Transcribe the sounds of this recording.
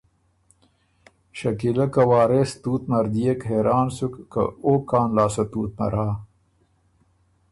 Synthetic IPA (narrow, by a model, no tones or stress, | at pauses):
ʃɐkilɐkɐwɑːɾest̪uːt̪mɐɾd̪ijekɦeɾʔɑːnsukːɐ̰okːɑːnlɑːsɐt̪uːt̪̚mɐ̰ɾaː